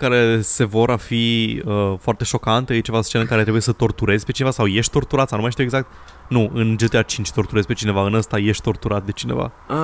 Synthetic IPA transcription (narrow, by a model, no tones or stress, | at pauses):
kaɾe̞se̞vo̞ɾafiəfoart̪e̞ʃo̞kant̪it͡ʃevalst͡ʃenəɨŋkaɾet̪ɾebujsət̪o̞rt̪uɾe̞zʲpe̞t͡ʃinvasawje̞ʃt̪ʲt̪o̞rt̪uɾat̪sanumajʃt̪iweɡzak̚t̪ | nuʔɨnd͡ʒet̪eat͡ʃint͡ʃʲt̪o̞ɾrt̪uɾezʲpe̞t͡ʃine̞vaɨnəst̪aje̞ʃt̪ʲt̪o̞rt̪uɾat̪̚d̪e̞t͡ʃine̞̰va̰ | a